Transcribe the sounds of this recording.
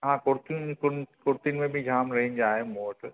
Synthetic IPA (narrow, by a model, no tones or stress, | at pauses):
ɦãːkʊɾt̪ũkʊnkʊɾt̪iʊnɪmẽbʱɪd͡ʑʱaːmɾɐɦind͡ʑaːɦemoːʈ